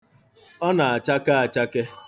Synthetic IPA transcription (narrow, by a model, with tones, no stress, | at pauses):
ɔ˦na˨a˨t͡ʃa˦ka˦a˨t͡ʃa˦ke˦